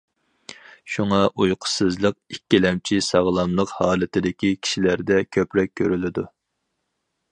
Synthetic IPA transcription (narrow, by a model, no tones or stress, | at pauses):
ʃuŋɑʔujqʰə̥sɨzlˠəq̚ikʲːilɛmt͡ʃʰisɑʁlˠɑmlˠəqhɑːlˠɨt̪ɪd̪ɪkʲikʲʰi̥ʃilæɾd̪ɛkʲʰøpɾɛk̚ʲʰːøɾylɪd̪u